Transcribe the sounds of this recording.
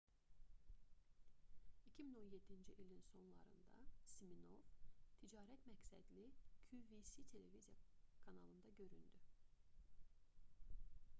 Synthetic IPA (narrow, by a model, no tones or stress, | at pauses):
icʰimino̞nje̞d̪ind͡ʒiʔilʲinso̞nlˠɑ̰ɾɯ̰nd̪ɑ̰simino̞vt̪ʰid͡ʒɑːɾæt̪mæcsæ̰d̪lʲicʰuvisit̪ʰe̞le̞vizijakʰɑnɑ̰lˠɯnd̪ɑɟø̞ɾynd̪y